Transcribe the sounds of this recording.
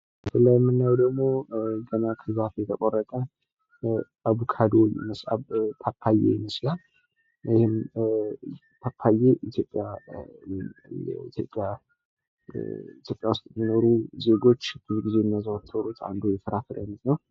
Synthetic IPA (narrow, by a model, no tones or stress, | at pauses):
bət̪ʰlːajmːɨnːajwd̪əɡmo̞ɡənakʰɨβafjɛt̪ʰəkʼorːət̪ʼə | aβukʰad̪oj̰məsʔa̰βpʰapʰːajḛjɛməslal | jɪhɨm | tʰapʰːajeʔit̪ʰjo̞pʼːjajɛɛ̰wit̪ʰjo̞̰pʼja | it̪ʰjo̞pʼjawʊst̪ʼjmːino̞ɾuze̞ɡo̞t͡ʃːbɨzɡize̞nːazawt̪ʰːəɾut̪ʰa̰nd̪ujɛfəɾafɨɾənznəw